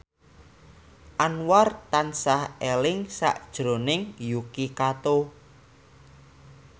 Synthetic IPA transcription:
ʔanwart̪ansahelɪŋsa̰ʔd̥ʒ̥ɾo̤nɪŋjukikat̪o

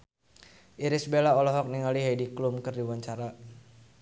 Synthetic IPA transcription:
ʔiɾisbelaɔlɔɦɔk̚niŋaliɦajdiklumkɨrdiwaɲt͡ʃaɾa

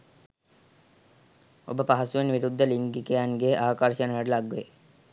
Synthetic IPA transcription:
o̰bəpaɦɐsuʋenʋiɾud̪ʱːəliŋɡikejanɡeʔaːkarʃənəʋəɖəlaɡʋḛ

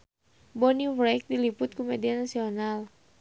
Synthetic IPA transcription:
bɔniuvɾajk̚dilipʊt̪̚kumedianasional

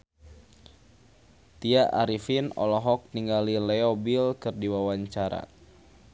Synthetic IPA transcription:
t̪iaʔaɾifinɔ̰lɔɦɔk̚niŋɡalilɛɔbilkɨrdiwawaɲt͡ʃaɾa̰

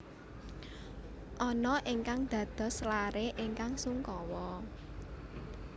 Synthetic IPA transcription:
ʔɔnɔʔiŋkaŋd̪̥ä̤d̪̥ɔ̤slaɾeʔɪŋkaŋsuŋkɔwɔ

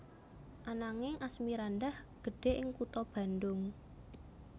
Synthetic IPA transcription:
ʔanaŋɪŋʔasmiɾandahɡ̥ə̤ɖ̥e̤ʔɪŋkut̪ɔb̥a̤nd̪ʊŋ

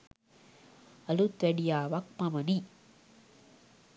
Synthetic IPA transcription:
ɐlut̪ʋeɽijaːʋɐk̚mɐmɐni

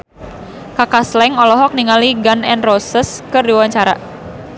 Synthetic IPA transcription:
kakaslɛŋɔlɔɦɔk̚niŋaliɡanɛnrosəskərdiwaɲt͡ʃaɾa̰

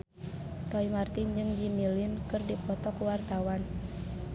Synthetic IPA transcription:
rɔimart̪ind͡ʒɨŋd͡ʒimilinkɨrdipɔt̪ɔkuwart̪awan

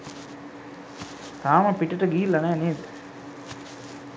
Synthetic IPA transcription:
t̪aːmɐpiʈɐʈəɡiːlːɐneːneːt̪

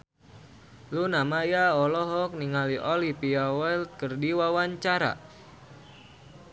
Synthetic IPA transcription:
lunamajaɔlɔɦɔk̚niŋaliʔɔlipiawɛlt̪̚kərdiwawaɲt͡ʃaɾa̰

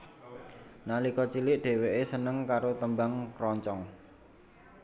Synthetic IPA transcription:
nalikɔt͡ʃilɪʔɖ̥e̤weʔesənəŋkaɾot̪əmbaŋrɔɲt͡ʃɔŋ

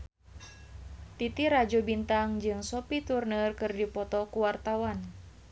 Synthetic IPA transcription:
t̪it̪iɾad͡ʒobint̪aŋd͡ʒɨŋsopit̪urnərkɨrdipɔt̪ɔkuwart̪awan

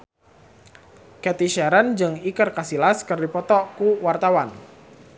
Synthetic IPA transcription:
kɛt̪iʃɛɾənd͡ʒɨŋikərkasilaskərdipɔt̪ɔkuwart̪awan

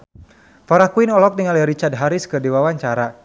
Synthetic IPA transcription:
faɾakuinɔlɔk̚niŋaljaɾit͡ʃard̚ɦaɾiskɨrdiwawaɲt͡ʃaɾa

